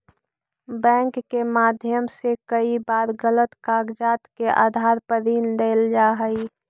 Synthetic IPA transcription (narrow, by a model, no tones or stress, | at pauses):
bɛ̃ːŋkːemaːd̪ʱjəmsekəibaːɾɡələt̪kaːɡd͡ʒaːt̪keʔa̰ːd̪ʱaːɾpəɾiːnd̪eːld͡ʒaːɦəi